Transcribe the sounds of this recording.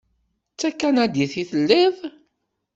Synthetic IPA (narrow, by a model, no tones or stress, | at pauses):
t͡sːækːænæd̪iθiθəlːiðˤ